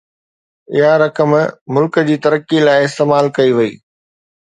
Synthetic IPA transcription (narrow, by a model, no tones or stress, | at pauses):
ɪ̰ɦaɾɐkəmmʊlkəd͡ʑiːt̪ɐɾəkilaːɪɪst̪eːmaːlkɐiʋɐḭː